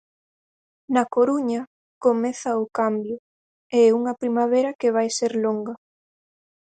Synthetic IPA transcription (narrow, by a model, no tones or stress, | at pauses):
nɐkoɾuɲɐ | komɛθɐʊkambjʊ | eɛuŋɐpɾimaβeɾɐkeβ̞ajseɾloŋɡɐ